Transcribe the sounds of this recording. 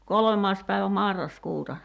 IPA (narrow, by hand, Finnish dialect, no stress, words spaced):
kolŏmɑːs pæiʋæ mɑrːɑskuːtɑ